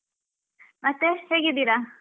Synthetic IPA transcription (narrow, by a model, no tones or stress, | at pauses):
mɐt̪ːeheːɡid̪iːɾa